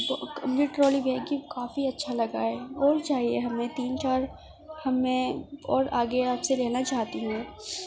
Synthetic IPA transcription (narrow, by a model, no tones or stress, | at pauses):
kbjuːʈɾoːlibʱɛːkikaːfiɐtːʃʰalɐɡaɛːɔːɾt͡ʃaːɦieɦɐmẽt̪iːnt͡ʃaːɾ | hɐmːẽɔːɾaːɡeaːpseɾɛɦnat͡ʃaːɦt̪iɦɛ̃ː